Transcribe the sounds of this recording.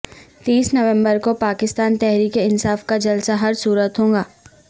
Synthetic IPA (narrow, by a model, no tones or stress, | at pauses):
t̪iːsnɐʋɛ̃mbəɾkopaːkɪst̪aːnt̪ɛɦɾiːkeɪnsaːfkad͡ʒɐlsaɦɐɾsuːɾət̪ɦõːŋɡaː